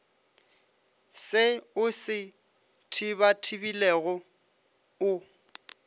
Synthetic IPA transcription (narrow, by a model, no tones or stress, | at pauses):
sɪʊsɪ | tʰɪbatʰɪbilɛɣɔ | ʊ